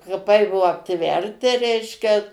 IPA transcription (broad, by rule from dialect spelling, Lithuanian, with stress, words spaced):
kɐˈpɐɪ ˈbuɔ ɐpʲˈtʲʋʲɛrʲtʲɪ ˈrʲɛɪʃʲkʲɛ